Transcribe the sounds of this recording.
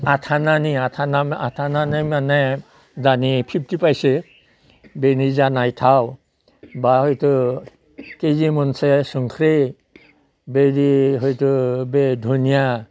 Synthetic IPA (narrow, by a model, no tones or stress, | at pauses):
atʰananiatʰanaatʰananamanɛ | zanipʰip̚ʰtipajsɛ | benizanajtʰaw | bahojtu | kezimɔnsɛsɔŋkʰɾe | bediɦɔjtubedʱunija